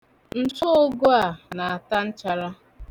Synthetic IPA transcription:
n̩˨tʊ˦ʊ˦ɡo˦a˨na˨a˨ta˦n̩˦t͡ʃa˨ɾa˦

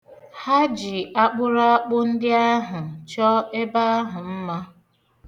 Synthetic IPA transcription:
ha˦d͡ʒi˨a˦k͡pʊ˦ɾa˦a˦k͡pʊ˦n̩˦dɪ˦a˦ɦʊ˨t͡ʃɔ˦e˦ba˦a˦ɦʊ˨m̩˦ma˦

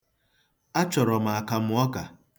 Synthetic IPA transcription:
a˦t͡ʃɔ˨ɾɔ˨ma˨a˨ka˨m̩˦ɔ˦ka˨

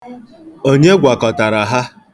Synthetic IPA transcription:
o˦ɲe˦ɡʷa˨kɔ˨ta˨ɾa˨ɦa˦

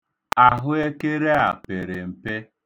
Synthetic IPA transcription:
a˨ɦʊ˦e˦ke˦ɾe˦a̰˨pe˨ɾe˨m̩˨pe˦

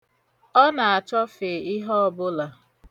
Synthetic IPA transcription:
ɔ˦na˨a˨t͡ʃɔ˦fe˨ɪ˦ɦɔ˦ɔ˦˨bʊ˦la˨

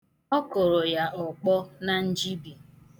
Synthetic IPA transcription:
ɔ˦ko˨ɾo˨ja˨ʔɔ˨k͡pɔ˦na˨n̩˦d͡ʒi˦bi˨

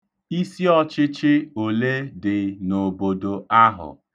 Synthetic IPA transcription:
i˦si˦ɔ˦t͡ʃɪ˦t͡ʃɪ˦o˨le˦dɪ˨no˨bo˨do˨a˦ɦʊ̰˨

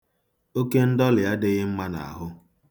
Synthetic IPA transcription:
o˦ke˦n̩˦dɔ˦lɪ˨ja˦dɪ˦ɣɪ˦m̩˦ma˦na̰˨a̰˨ɦʊ˦

